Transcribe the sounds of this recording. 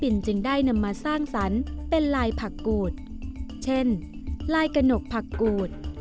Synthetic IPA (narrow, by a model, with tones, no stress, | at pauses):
pi˨˩nt͡ɕɯ˧ŋdaː˥˩jna˧mːaː˧saː˥˩ŋsa˩˦npe˧nlaː˧jpʰa˨˩kːuː˨˩t̪̚t͡ɕʰe˥˩nlaː˧jka˧no˨˩k̚pʰa˨˩kːuː˨˩t̪̚